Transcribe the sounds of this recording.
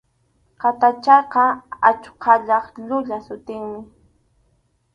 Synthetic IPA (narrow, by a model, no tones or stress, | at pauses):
qat̪at͡ʃɑqɑat͡ʃqʰɑʎɑχʎʊʎasʊt̪ɪŋmɪ